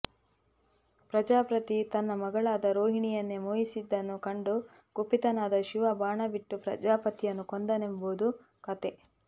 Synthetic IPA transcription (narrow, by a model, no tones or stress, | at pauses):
pɾɐd͡ʒaːpɾɐt̪it̪ɐnːɐmɐɡɐɭaːd̪ɐɾoːɦiɳijɐnːemoːjisid̪ːɐnːukɐɳɖu | ɡupit̪ɐnaːd̪ɐʃiʋɐbaːɳɐbiʈːupɾɐ̰d͡ʒaːpɐt̪ijɐnːukɔnd̪ɐnemboːd̪u | kɐt̪e̞